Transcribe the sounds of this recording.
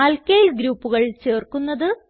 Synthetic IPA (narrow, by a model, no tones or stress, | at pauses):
aːlkɐjilɡɾuːpːuɣɐɭt͡ɕe̞ːrkunːɐðɨ